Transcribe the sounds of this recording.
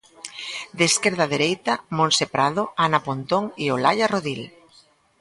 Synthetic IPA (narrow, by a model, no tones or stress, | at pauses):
d̪eskeɾð̞aðeɾejt̪amõnsepɾaðoanapont̪oŋiolaʎaroðil